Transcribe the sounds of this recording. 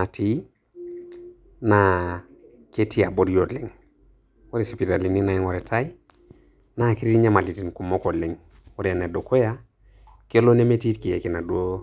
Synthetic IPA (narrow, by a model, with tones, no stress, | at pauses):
na˨tʰi˦ | na˨ | ke˦ti˦a˨bo˦djo˨li˨ŋ | wɔ˦ɾi˨si˨pi˨ta˨li˨ni˦na˨i˦ŋwɔ˨ɾe˨tʰa˦i˦ | na˦ki˦ɾi˦ti˦ɲa˦ma˨li˨ti˨nku˨mo˦ko˨li˨ŋ | wo˦ɾa˨ne˨do˨ko˦ja˦ | ke˦lo˦ne˦me˦ti˦tki˨je˨ki˨na˨du˦o˦